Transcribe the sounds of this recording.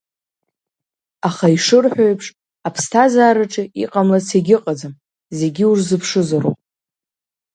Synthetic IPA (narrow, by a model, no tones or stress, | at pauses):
aχaiʂɨrħʷᶣojpʰʂ | apʰstʰazaːɾaʈ͡ʂʼʰiḭqʼamlat͡sʰeɡʲɪqʼad͡zɨm | ze̞ɡʲiurzɨpʰʂɨzaro̰pʼ